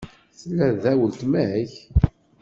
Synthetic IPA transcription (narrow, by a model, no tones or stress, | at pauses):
θəlːæðæwəlt̪mæiç